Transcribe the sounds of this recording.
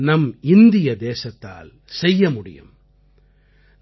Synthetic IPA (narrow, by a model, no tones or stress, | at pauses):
nɐmɪnd̪ɪjɐd̪eːsɐt̪ːa̰ːl | sɛjːɐmʊɽɪ̰jɯ̰m